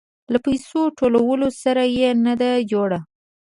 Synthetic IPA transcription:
lapajsoʈolawəlosaɾajenad̪ad͡ʒoɽa

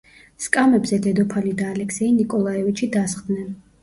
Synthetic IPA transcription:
skʼamɛbzɛd̪ɛd̪ɔpʰalid̪aːlɛksɛinikʼɔlˠaɛvit͡ʃʰid̪asχd̪nɛn

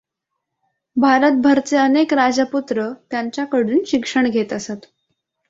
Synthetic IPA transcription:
bʱaɾət̪̚bʱəɾt͡seənekɾad͡zəput̪ɾət̪jaɲt͡ɕjakəɽuːnɕikʂəɳɡʱet̪əsat̪

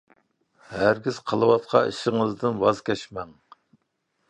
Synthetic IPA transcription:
hæɾɡʲiz̥qʰəlˠɨwɑt̪̚qʰɑ̰ḭʃɪŋɨzd̪ɨnwɑzkʲɛʃmɛŋ

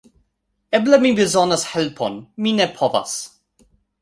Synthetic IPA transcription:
ɛblamibizɔnəshɛlpʰɔ̰nminɛpʰɔva̰s

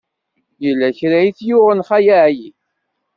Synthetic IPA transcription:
jəlːæçɾæjiθjuʁənχæjaʕji

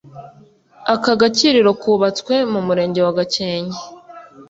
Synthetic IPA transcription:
akaɡaciɾiɾo̞kʰuːβat͡skwe̞mumuɾe̞ːɲɟe̞waɡat͡ʃeːɲe

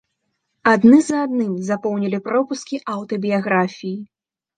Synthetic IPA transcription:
ad̪nɨzad̪nɨmzapɔwnʲɛlʲipɾɔpuskʲiʔawt̪ɔbʲijaɣɾafʲiji

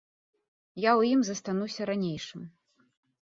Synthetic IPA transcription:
jawjimzɐst̪anusʲɐɾanʲejʂɨm

